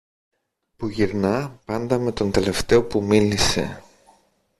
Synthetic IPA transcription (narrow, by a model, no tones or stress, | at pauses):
puʝiɾnɐpɐnd̪ɐme̞t̪o̞nt̪e̞le̞ft̪e̞o̞pumilise̞̰